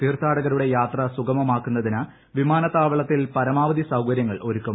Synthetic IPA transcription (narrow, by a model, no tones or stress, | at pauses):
t̪iːrt̪ʰaːɽɐɣɐɾuɽe̞jaːt̪rɐsuɡɐmɐmaːkːunːɐðinɐ | ʋimaːnɐt̪ːaːʋɐɭɐt̪ːilpɐɾɐmaːʋɐd̪isɐwkɐɾjɐŋːɐɭʔo̞ɾukːɐm